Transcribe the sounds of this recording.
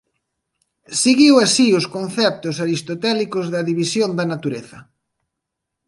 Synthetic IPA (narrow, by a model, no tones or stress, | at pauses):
siɣiwasiʊskon̟θɛp̚t̪ʊsaɾist̪ot̪ɛlikozðɐðiβisjond̪ɐnat̪uɾeθɐ